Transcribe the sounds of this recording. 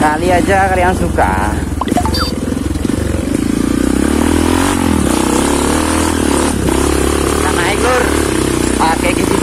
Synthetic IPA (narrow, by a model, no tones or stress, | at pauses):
kaliad͡ʒakaɾjaŋsuka̰ | sanaikʊr | pakɛkisi